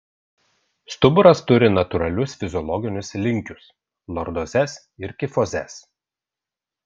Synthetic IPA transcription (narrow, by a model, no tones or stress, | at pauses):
st̪ʊbʊɾɐst̪ʊɾʲɪnɐt̪ʊɾɐlʲʊsfʲɪzʲɔlˠɔɡʲɪnʲʊslʲɪŋʲkʲʊs | lˠɔɾd̪ɔzʲɛs | ɪɾkʲɪfɔzʲɛ̰s